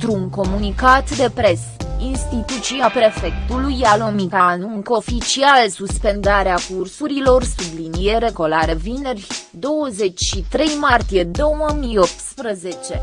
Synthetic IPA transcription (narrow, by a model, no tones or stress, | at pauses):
t̪ɾuŋko̞munikat̪d̪e̞pɾe̞sinst̪it̪ut̪siapɾe̞fe̞kt̪ulujalomikanuŋŋko̞fit͡ʃialsuspe̞nd̪aɾeakursuɾilo̞rsublinije̞ɾe̞ɡo̞laɾe̞vine̞rʲd̪o̞wəze̞t͡ʃʲʃit̪ɾe̞jmart̪ije̞d̪o̞wəmijo̞p̚t̪spɾəze̞t͡ʃe̞